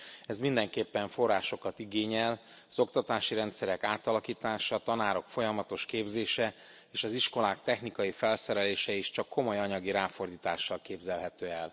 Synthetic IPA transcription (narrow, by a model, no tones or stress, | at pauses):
ɛzmind̪ɛŋkeːpːɛɱfo̞rːaːʃo̞kɒt̪iɡeːɲɛl | ɒzo̞kt̪ɒt̪aːʃiɾɛnt̪sɛɾɛkaːt̪ɒlɒkiːt̪aːʃɒt̪ɒnaːɾo̞kfo̞jɒmɒt̪o̞ʃkeːbzeːʃɛ | eːʃɒziʃko̞laːkt̪ɛxnikɒjifɛlsɛɾɛleːʃɛiʃt͡ʃɒkːo̞mo̞jɒɲɒɡiɾaːfo̞rd̪iːt̪a̰ːʃːɒlkeːbzɛlɦɛt̪øːɛl